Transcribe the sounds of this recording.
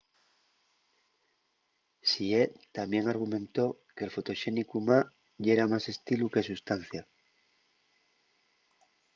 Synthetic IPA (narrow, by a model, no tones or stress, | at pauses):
sie̞t̪amje̞ŋaɾɣ̞umẽ̞nt̪o̞ke̞lfo̞t̪o̞ʃe̞nikuma | ʝe̞ɾamase̞st̪iluke̞sust̪anθja